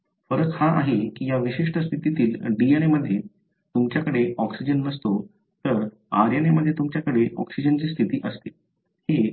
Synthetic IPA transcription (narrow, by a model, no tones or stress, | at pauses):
fəɾək̪haʔaɦekiːjaʋiɕiʂʈəst̪ʰit̪it̪iːlɖieneməd̪ʱːje | t̪umt͡ɕjakəɽeɔksid͡ʑənːəst̪o | t̪əɾ | a̰ɾjaneməd̪ʱːjet̪umt͡ɕjakəɽeʔɔ̰ksid͡ʑənt͡ɕiːst̪ʰit̪iːʔəst̪i | he